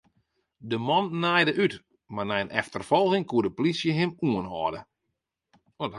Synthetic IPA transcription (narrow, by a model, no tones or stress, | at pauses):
dəmɔnːajdəʔyt | marnɛjənʔɛ̰ftərfɔlˠɣɪŋkuədəplisjəɦɪmuənhɔːdə | ɔt